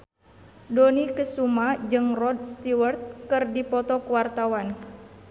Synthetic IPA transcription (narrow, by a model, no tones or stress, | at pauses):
donikəsumad͡ʒɨŋrɔd̚st̪iwərt̪̚kɨrdipɔt̪ɔkəwart̪awan